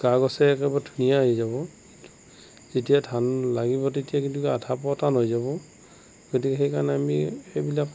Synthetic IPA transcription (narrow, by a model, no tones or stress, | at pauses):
kaɡɔsɛɛkɛbadʱunijaaɦizabɔkitu̥ | zetijatʰanlaɡibɔtetijakĩntukatʰapɔtanɦojzabɔ | ɡ̥ot̬ikɛxejkaɹnɛamiejbilak